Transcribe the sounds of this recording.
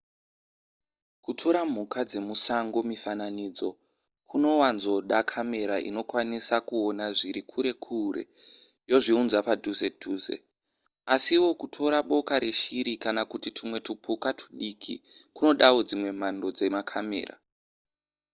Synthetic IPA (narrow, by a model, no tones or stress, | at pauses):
kutʰo̞ɾam̤ukad͡ze̞musaŋɡo̞mifananiːd͡zo̞ | kʰuno̞wanzo̞ɗakʰame̞ɾaʔḭno̞kwanisakuonaʐiɾikʰuɾe̞kʰuɾḛ | jo̞ʐiunzapadʱuzeduːzḛ | asiwo̞kutʰo̞ɾaɓo̞kaɾe̞ʃiɾikanakutitʰimwe̞tupʰukatʰu̥ɗikʰḭkuno̞ɗawo̞d͡zimwe̞m̤ando̞d͡ze̞makʰame̞̰ːra̰